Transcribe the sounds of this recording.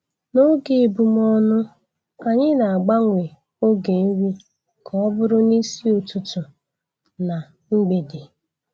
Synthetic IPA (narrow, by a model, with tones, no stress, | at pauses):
no˦ɡɪ˨bʊ˨m˦ɔ˦nʊ˦ | ka˨ɲɪ˦na˨a˨ɡ͡ba˦ŋʷe˨ | o˦ɡe˨˦wi˦ | kʰɔ˦ɔ˦bʊ˦ɾʊ˦ni˦si˦o˨tu˨tʊ˨ | na˨ | ŋ͡m̩˦ɡ͡be˨dɪ˨